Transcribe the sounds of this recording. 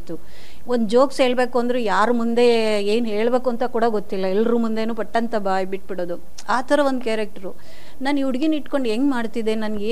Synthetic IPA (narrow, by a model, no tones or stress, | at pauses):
t̪u | ond̪ud͡ʒo̞ːkse̞ːɭbe̞ːkuɐnd̪ɐɾejaːɾumund̪e̞eːnɦe̞ːɭbe̞ːkuɐnt̪ɐkuːɽɐɡot̪ːilːɐɛlːɾumund̪e̞nuːpɐʈːɐnt̪ɐbaːjbiʈ̚ːbiɽoːd̪u | aːt̪ʰɐɾɐo̞nd̪ukjaːɾek̚ʈɐɾu | naːniʋuɽɡiniʈko̞ɳɖeŋɡmaːɽt̪id̪e̞nɐnɡeː